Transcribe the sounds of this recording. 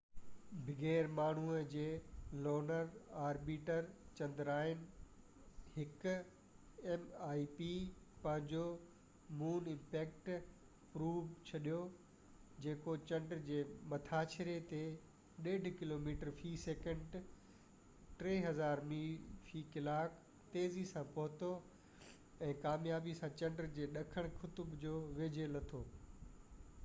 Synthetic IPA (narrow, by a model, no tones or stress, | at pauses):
bʱɪɡeːɾmaːɳ̤uəd͡ʑeːlɔːnəɾaːɾbiːʈəɾt͡ɕɐ̃nd̪ɾaːɪn | hɪk | emaːipi | pɐ̃ɦɪ̃ɲd͡ʑo | muːnɪ̃mpɛːk̚ʈ | pɾuːʋt͡ɕʰɐɗijo | d͡ʑeːkot͡ɕɐ̃ɳɖɾd͡ʑeːmɐt̪ʰaːt͡ɕʰɾet̪e | ɗeːɖʱkɪloːmiːʈəɾfiːseːkə̃ɳɖ | ʈɾeːɦɐzaːɾmifiːkɪlaːk | t̪eːzisãpɐɦʊt̪o | ɛ̃ːkaːmjaːbisãt͡ɕɐ̃ɳɖəɾd͡ʑeːɗɐkʰəɽ̃kʰʊt̪ʊbd͡ʑoːʋeːd͡ʑʱelɐt̪ʰoː